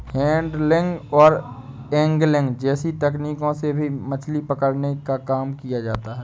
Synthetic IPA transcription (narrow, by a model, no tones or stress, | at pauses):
hɛ̃ːɳɖlɪ̃ŋɡɔːɾ | ɛ̃ːŋɡlɪ̃ŋɡd͡ʒɛːsit̪ɛkniːkõsebʱimɐt͡ʃʰlipɐkəɾnekakaːmkijad͡ʒaːt̪aɦɛː